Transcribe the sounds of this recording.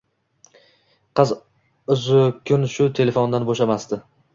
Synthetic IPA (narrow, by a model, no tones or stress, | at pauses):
qɨz | ʊzʊkʲʰʊnʃʊt̪ʰe̞le̞fond̪anboʃamast̪ɪ